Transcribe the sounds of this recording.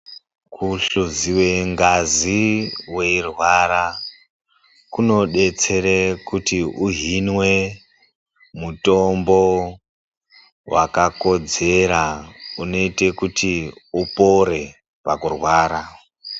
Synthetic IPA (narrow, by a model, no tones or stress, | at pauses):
kʰuɬuziwe̞ŋɡaziwe̞irwaɾa | kuno̞ɗe̞t͡se̞ɾekutiuɦinwe | muto̞mbo̞ | wa̰kako̞d͡ze̞ɾauno̞ite̞kutiupo̞ɾe̞ | pakurwaːɾa